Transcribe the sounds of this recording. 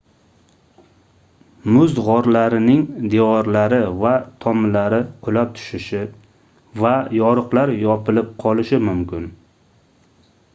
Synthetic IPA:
mʊzʁɒɾlaɾɪnɪŋd̪eɒɾlaɾɪvat̪ʰɒmlaɾɪqʰʊlap̚t̪ʰʊ̥ʃɪʃɪ | vajɒɾɨqlaɾjɒpɪlɪp̚qʰɒlɪʃɪmʊmkʲɪn

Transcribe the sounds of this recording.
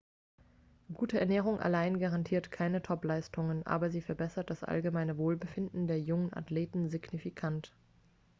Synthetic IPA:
ɡ̥uːtəʔɛɐnɛːʁ̞ʊŋʔa̰laɪnɡaʁantʰiːɐtkʰaɪnətʰɔplaɪstʰʊŋənʔa̰ːbɐziːfɛɐbɛsɐt̚d̥asʔa̰lɡəmaɪnəvoːlbəfɪndn̩deːɐjʊŋənʔa̰tleːtn̩zɪɡnifikʰant

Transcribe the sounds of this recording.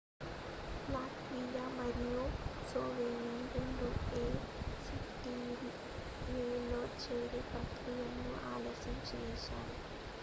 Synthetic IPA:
laːkmiːɡaːmɐɾijosoːʋeːniɾuɳɖoeː | siʈːiɾi | jeːloːt͡ʃeːɽepɾɐkɾijɐnːuʔa̰ːlɐːʃɐmt͡ʃɛːʃa̰ːli

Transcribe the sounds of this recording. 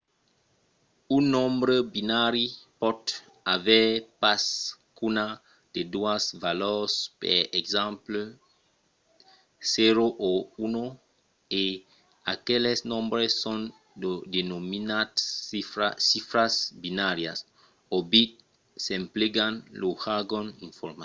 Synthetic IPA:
ũnɔ̃mbɾebinaɾipɔd̪ | avɛpaskuna | d̪̥ed̪uasvalɔspɛ̰eɡzãmpl | seɾoʔouno | e | akelesnõmbɾesːõn | d̪enominat̪ifɾasifɾasbinaɾja̰s | obit̪ | sẽmpleɡanluhaɡõnĩɱfoɾma

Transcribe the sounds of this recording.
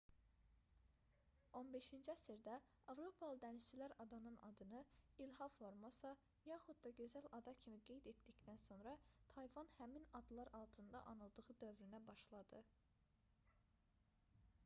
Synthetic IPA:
o̞nbe̞ʃind͡ʒiæsiɾd̪æ | ɑvɾo̞pʰɑlˠɯd̪æniʃt͡ʃʰilæɾɑd̪ɑnɯnɑ̰d̪ɯnɯilɦɑfoɾmosɑ | jɑχud̪̚d̪ɑɟø̞zælɑd̪ɑcʰimiɡe̞jd̪e̞t̪d̪icd̪̥ænso̞nɾɑt̪ʰɑjvɑnhæminɑd̪lˠɑɾʔɑlˠt̪ʰɯnd̪ɑ̰ʔɑnɯlˠd̪ɯʁɯd̪ø̞vɾynæbɑʃlˠɑd̪ɯ

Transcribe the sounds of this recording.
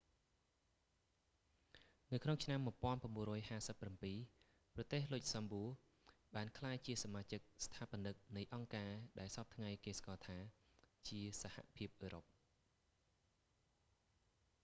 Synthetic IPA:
nɨwkʰnoŋt͡ɕʰnamːŭəpŏənpraəmɓuənrɔːjhaːsəpːrampiː | prɑt̪eːhlʊc̚sɑmbuː | ɓaːnkʰlaːjt͡ɕiəsamaːt͡ɕɨk̚st̪ʰaːpə̆nɨk̚nɨjʔɑŋkaːɗaɛlsɑp̚t̪ʰŋajkeːskɑːt̪ʰaːt͡ɕiəsaha̰pʰiəp̚ʔəːɾop̚

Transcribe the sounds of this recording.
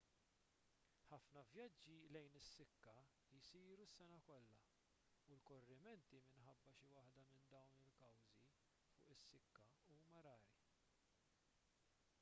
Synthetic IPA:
ħɐfnɐvjɐd͡ʒːilɛjnɪsːɪkːɐ | ɪsiːɾusːɛnɐkɔlːɐ | ulkɔrːɪmɛnt̪imɪnħɐbːɐʃiwɐħd̪ɐmɪnd̪ɐwnɪlkɐwzi | fʊːʔɪsːɪkːɐuːmɐɾɐːɾi

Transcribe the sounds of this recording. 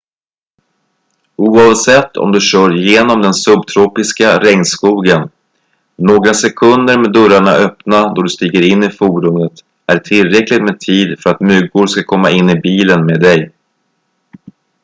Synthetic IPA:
uːɑvsɛt̪ːɔ̰md̪ɵɕœːɾjeːnɔmd̪ɛnsɵbt̪ʰɾuːpɪskaɾɛŋnskuːɡənː | oːɡɾasɛkʰɵnd̪əɾmeːd̪ɵɾaɳaʔœpnad̪ɔɖɵst̪iːɡəɾɪnːɪfuːɖɵmət̪ | æʈʰɪlɾɛklɪt̪meːt̪ʰiːd̪fœɾat̪mʏɡʊɾskakʰɔmːaɪnːɪbiːlənmeːd̪ɛj

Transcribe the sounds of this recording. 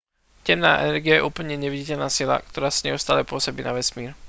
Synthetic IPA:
cɛmnaːʔɛ̰nɛɾɡijajɛ̰ʔuːpl̩ɲɛɲɛʋiɟicɛʎnaːsila̰kt̪ɔɾaːsaɲɛust̪aːlɛpʊɔsɔbiːnaʋɛsmiːɾ

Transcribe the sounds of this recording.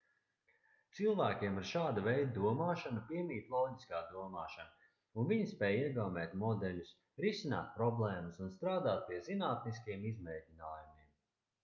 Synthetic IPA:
t̪silˠvæːkʲiɛmiɾʃaːd̪avɛjd̪d̪uɔmaːʃanapiɛmiːt̪lˠɔːɟiskaːd̪uɔmaːʃana | unviɲispɛːjiɛɡawmɛːt̪mɔd̪ɛʎʲus | ɾisina̰ːt̪̚pɾɔblˠɛːmusunst̪ɾaːd̪aːt̪̚pʲiɛzinaːt̪niskiɛmizmɛjcʲinaːjumiɛm

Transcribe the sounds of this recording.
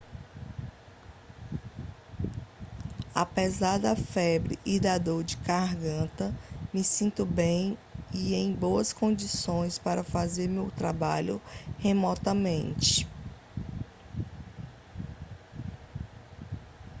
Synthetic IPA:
a̰pɛzaɾd̪ɐfɛbɾɪ̰ʔːd̪ad̪oɾd͡ʒɪkaɦɡɐ̃nt̪ɐmɪsĩnt̪ʊbẽj̃iẽj̃boɐskõnd͡ʒisõj̃spaɾɐfazeɾmeʊwt̪ɾabaʎʊhemɔt̪ɐmẽnt͡ʃɪ̥

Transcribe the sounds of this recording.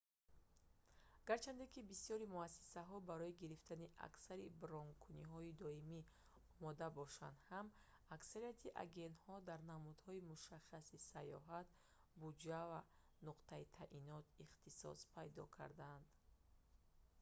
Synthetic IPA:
aɡ̥aɾt͡ʃʰand̪ekibisiɔɾimuasi̥saɦɔbaɾɔiɡiɾift̪aniʔa̰ksaɾibɾɔŋkʰuniɦɔid̪ɔimi | ɔmɔd̪abɔʃa̰nd̪ham | aksaɾijat̪ʰiʔa̰ɡe̞nt̪hɔd̪aɾnamud̪̥hɔimuʃaχasisajɔ̰ɦat̪ | bud͡ʒava | nuqt̪ʰait̪ʰaʔinɔt̪iχt̪isɔ̰spʰajd̪ɔ̰kʰa̰ɾd̪aːnd̪

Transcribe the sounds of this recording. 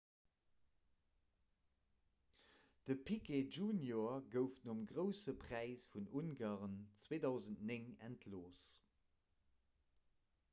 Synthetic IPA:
d̥əpʰikʰed͡ʒuːnjoɐɡəʊftnoəmɡʁəʊsəpʁ̥æɪsfununɡaːʁənt͡sweːdɑʊzəntneŋæ̰ntʰloːs

